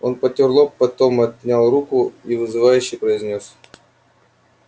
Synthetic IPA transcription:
onpət̪ʲɪrlˠopːɐt̪o̞mɐt̪̚ʲnʲalˠɾukʊivɨzɨvajʉɕːɪjpɾəɪzʲnʲos

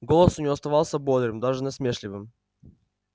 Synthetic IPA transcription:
ɡolˠəsʊnʲɪɐst̪ɐvalˠsʲəbod̪ɾɨmd̪aʐɨnʲɛsmʲeʂlʲɪvɨm

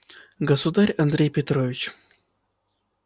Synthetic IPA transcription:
ɡɐsud̪aɾʲɐnd̪ɾʲejpʲet̪ɾovʲɪt͡ɕ

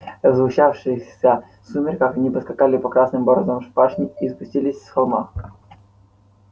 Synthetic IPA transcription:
zvʊɕafʂɨjsʲə | sumʲɪrkakɐnʲipɐskɐkalʲɪpɐkɾasnɨmboɾozɐmʂpaʂnʲɪispʊsʲtʲilʲɪsʲsxɐlˠma̰xk

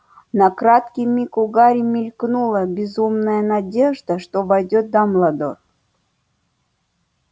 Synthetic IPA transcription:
nɐkɾat̪kʲijmʲikʊɡaɾʲimʲɪlʲknulˠəbʲɪzumnəjənadʲe̞ʐd̪əʂt̪ovajdʲot̪̚d̪ɐmlˠad̪o̰r

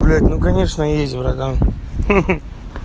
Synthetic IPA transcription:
lʲatʲnukɐnʲeʂnəjesʲtʲvɾɐɡ̪am

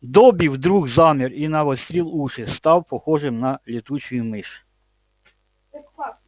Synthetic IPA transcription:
d̪ɔbʲiwd̪ɾuɣzɑmʲirinɐʋɔsʲt̪ʲɾʲilˠuʃɪst̪ɑwpɔxɔʒɪmnɐlʲit̪ut͡ʃʊjʊmɪʃ

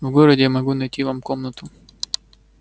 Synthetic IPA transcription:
vɡoɾədʲɪmɐɡunɐjtʲivamkomnət̪ʊ

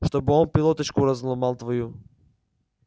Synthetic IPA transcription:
ʃt̪ɔbɔmpilˠɔt̪ɛt͡ʃkuɾazlˠɔmalˠt̪vɔju

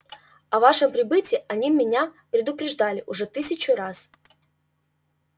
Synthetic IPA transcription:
ɐvaʂɨmpɾʲɪbɨtʲɪʔɐnʲimʲːɪnʲapɾʲɪd̪ʊpɾʲɪʐd̪alʲɪʔʊʐɛt̪ɨsʲɪt͡ɕʊɾas

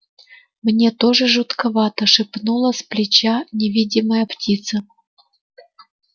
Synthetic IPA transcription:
mnʲe̞t̪o̞ʐɨʐɨt̪kɐvat̪əʂɨpnulˠəsʲplʲɪt͡ɕanʲɪvʲidʲɪməjəptʲit̪sə

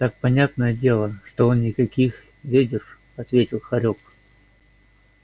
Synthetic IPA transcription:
t̪ak̚pɐnʲat̪nəjədʲe̞lˠəʂt̪o̞onnʲɪkɐkʲix | vʲedʲɪr | ɐt̪vʲetʲɪlˠxɐɾʲok

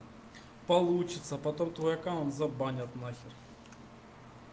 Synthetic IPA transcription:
pɐlˠut͡ɕɪt̪sɐpɐt̪omt̪ɔjɐkaonzɐbanʲɐt̪naxʲɪr

